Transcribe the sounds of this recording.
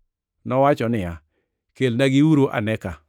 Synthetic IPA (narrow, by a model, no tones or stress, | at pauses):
nɔwat͡ʃɔnɪja | kelnaɡɪwuɾoʔa̰nɛka